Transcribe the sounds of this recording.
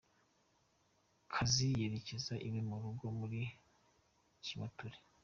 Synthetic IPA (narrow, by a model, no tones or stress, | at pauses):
kʰazijeɾe̞cezaʔimimuɾuɡo̞muɾi | cimatuɾe̥